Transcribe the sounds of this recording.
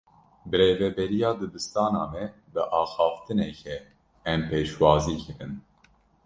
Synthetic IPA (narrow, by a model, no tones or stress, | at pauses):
bɨɾeːvɛbɛɾijɑːd̪ɨbɨst̪ɑːnɑ̰ːmɛ | bɨʔɑːxɑːft̪ɨnɛkʰɛ | ɛmpeːʃwɑːziːkʰɨɾɨn